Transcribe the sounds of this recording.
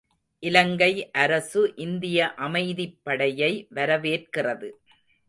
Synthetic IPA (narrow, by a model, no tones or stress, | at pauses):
ʔɪlɐŋɡɐɪʔɐɾɐsɯʔɪnd̪ɪjɐʔɐmɐɪðɪpːɐɽɐjɐɪʋɐɾɐʋeːrkɪrɐðɯ